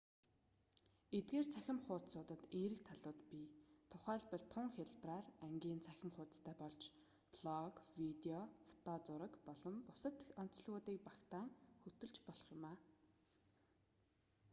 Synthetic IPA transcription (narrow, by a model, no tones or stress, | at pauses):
et̪̚ɡeːrt͡sʰæxʲɪ̆mχʊːt̪sʊːt̪ə̆t̪eːɾɘ̆kt̪ʰaɮʊːt̪pit̪ʰʊχæːɮpə̆ɮt̪ʰʊŋxʲeɮpraːræŋɡʲiːnt͡sʰæxʲɪ̆mχʊːt̪st̪ʰæːpɔɮt͡ɕ | pɮɔkwit̪eɔfɔ̥t̪ʰɔt͡sʊɾə̆kpɔɮɞ̆mpʊsə̆t̪ɔn̥t͡s̆ɮɣʊːt̪iːk̚pakt̪aːŋxɵt̪ɵ̆ɮt͡ɕpɔɮɞ̆χjʊmaː